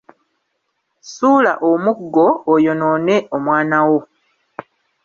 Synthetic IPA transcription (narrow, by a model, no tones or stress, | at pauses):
suːla̰ʔomuɡːo̞ːjo̞no̞ːne̞ʔomwaːnawo̞